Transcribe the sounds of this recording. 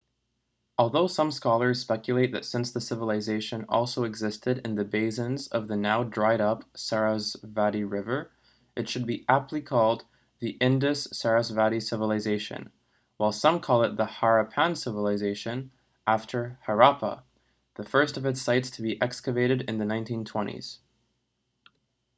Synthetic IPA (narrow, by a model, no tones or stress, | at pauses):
ɔlˠðoʊsʌ̃mskɑlˠə˞z̥spɛkjɨleɪt̪̚ðɨ̰tsɪ̃nsðɨsɪvəlˠɨzeɪʃɨ̃nɔ̰lˠsoʊɨɡzɪstɨɾɨ̰̃nðɨbeɪsɨ̃nzʌ̰vðɨnaʊdɹaɪɾʌpsɛɹəsvæɾiɹɪvə˞ | ʔɨtʃɨd̚biʔæp̚tˡlikʰɔlˠd̪̚ | ðiʔɪ̃ndɨsːɛɹɨsvæɾisɪvəl̩ˠɨzeɪʃɨ̰̃n | waɪlˠsʌ̃mkʰɔlˠɨt̪̚ðəhɑɹɨpʰæ̃nsɪvəlˠɨzeɪʃɨ̃n | ʔæftʰə˞hə˞ɑpə̰ | ðɨfɜ˞stʌvɨtsaɪtstʰəbiʔɛkskɨveɪɾɨɾɨ̃nðɨnãɪ̃ntʰĩntʰw̥ɛ̃ɾ̃ḭz̥